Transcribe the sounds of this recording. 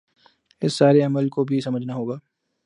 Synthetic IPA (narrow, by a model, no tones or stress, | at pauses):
ɪsːaːɾeɐməlkobʱisɐməd͡ʒʱnaɦoːɡaː